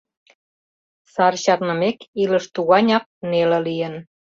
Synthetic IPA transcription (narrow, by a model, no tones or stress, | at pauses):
sɑrɕɑrnə̆mekiləʃt̪uɣɑnʲɑk̚nelĕlijən